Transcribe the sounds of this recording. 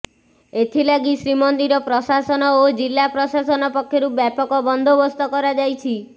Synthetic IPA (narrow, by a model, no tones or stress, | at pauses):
et̪ʰilaɡisɾimɔnd̪iɾɔpɾɔsasɔnɔod͡ʒilːapɾɔsasɔnɔpɔkʰjoɾubɛpɔkɔbɔnd̪ʱobɔst̪ɔkɔɾad͡ʒajt͡ʃʰi